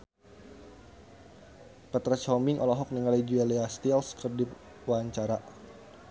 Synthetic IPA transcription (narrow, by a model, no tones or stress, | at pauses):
pət̪ɾat͡ʃɔmiŋʔɔ̰lɔɦɔk̚niŋalid͡ʒuɛleast̪ilskərdi | waɲt͡ʃaɾa